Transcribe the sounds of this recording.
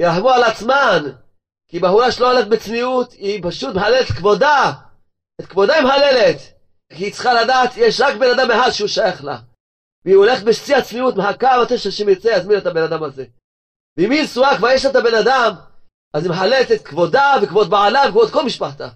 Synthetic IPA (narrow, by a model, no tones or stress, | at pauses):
iaħmualat͡sman | kibahuʁaʃelooleχetbet͡sniut̪ipaʃut̪meħalelett̪kvo̞d̪a | et̪kvo̞d̪aimħalelet̪ | kiit͡sχaladaːt̪jeʃʁakbenadameħad̪ʃeuʃajaχla̰ | viːoleχet̪̚beʃt͡siat͡sniutmeɦakamat̪eʃaʃimet͡sejazminet̪abe̞nad̪amaze̞ | veiminsuakvaʁjeʃ̬lat̪abe̞nad̪am | azimeħalelet̪et̪kvo̞d̪avekvod̪̚baʕalavekvod̪̚kolmiʃpaħt̪a